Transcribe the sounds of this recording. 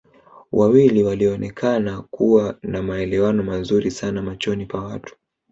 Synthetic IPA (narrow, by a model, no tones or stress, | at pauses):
wʔawiliwaliɔnɛkʰanakuwanamaɛlɛwanɔmazuɾisanamat͡ʃɔnipawatu̥